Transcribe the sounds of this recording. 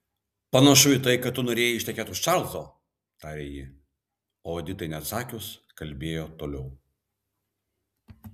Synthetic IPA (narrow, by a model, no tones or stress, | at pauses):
pɐnɐʃʊɪt̪ɐɪkɐt̪t̪ːʊnoːɾʲeːjɛɪɪʃt̪ʲɛkʲæːt̪ʊʃt͡ʃɑˑlˠzoː | t̪ɑːɾʲeːjɪ | oːoːd̪ʲɪt̪ɐɪnʲɛɐt̪sɑːkʲʊskɐlʲbʲeːjoːt̪oːlʲɛʊ